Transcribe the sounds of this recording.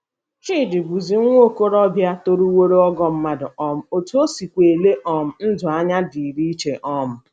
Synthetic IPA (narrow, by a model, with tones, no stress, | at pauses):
t͡ʃi˦˨dɪ˨bu˨zi˨ŋʷo˦ko˦ɾɔ˦bja˦to˦ɾu˦wo˦ɾe˦ɔ˦ɡɔ˨m̩˦ma˦dʊ˨ɔ˦m̩˨o˨tu˦o˦si˨kʷe˨le˦ʔɔ˨m̩˨n̩˦dʊ˨a˦ɲa˦di˨ɾi˦t͡ʃe˨ʔɔ˦m̩˨